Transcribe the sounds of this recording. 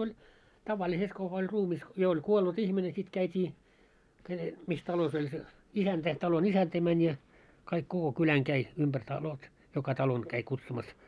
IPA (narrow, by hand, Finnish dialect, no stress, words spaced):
olʲ tɑʋɑliset kukɑ olʲ ruːmis jo olʲ kuolːut ihmine sit kæitiː ke mis tɑlos olʲ se isæntæ tɑlon isæntæ mænʲ jɑ kɑik koko kylæŋ kæi umb̥ær tɑlot jokɑ tɑlon kæi kutsumɑs